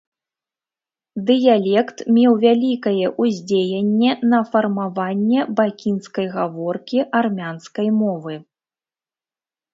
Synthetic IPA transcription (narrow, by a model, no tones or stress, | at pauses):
d̪ɨjalʲɛkt̪mʲɛwvʲalʲikɐjɛʔuzʲd͡zʲejɛnʲːɛnɐfɐrmavanʲːɛbakʲinskɐjɣavɔrkʲiʔarmʲanskɐjmɔvɨ